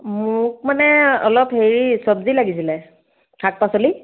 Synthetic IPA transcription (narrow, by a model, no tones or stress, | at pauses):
mʊk̚manɛɔlɔpheɹisɔbzilaɡis̬ilɛ | kʰak̚pasoli